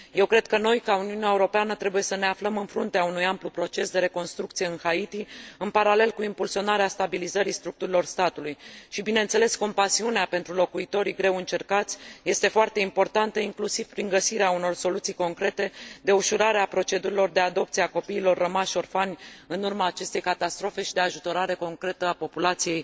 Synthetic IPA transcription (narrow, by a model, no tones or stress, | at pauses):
je̞wkɾe̞d̪̥̚kəno̞jkauniuneaeuɾo̞peanət̪ɾe̞buje̞səne̞afləmɨnfɾunt̪eaunujamplupɾo̞t͡ʃe̞sd̪e̞ɾe̞ko̞nst̪ɾukt̪sije̞ɨnhait̪iɨnpaɾale̞lkuimpulsio̞naɾeast̪abilizəɾist̪ɾuk̚t̪uɾilo̞rst̪at̪ulujʃibinense̞le̞sko̞mpasiuneape̞nt̪ɾulo̞kuit̪o̞ɾiɡɾe̞wɨnt͡ʃe̞rkat̪sʲje̞st̪e̞foart̪e̞impo̞rt̪ant̪əiŋklusiv̥pɾiŋɡəsiɾeauno̞rso̞lut̪sijko̞ŋkɾe̞t̪e̞d̪e̞uʃuɾaɾeapɾo̞t͡ʃe̞d̪uɾilo̞rd̪e̞ad̪o̞pt̪siako̞piːlo̞rːəmaʃo̞rfanʲɨnurmaːt͡ʃe̞st̪e̞jkat̪ast̪ɾo̞fe̞ʃid̪e̞aʒut̪o̞ɾaɾe̞ko̞ŋkɾe̞t̪əapo̞pulat̪sije̞j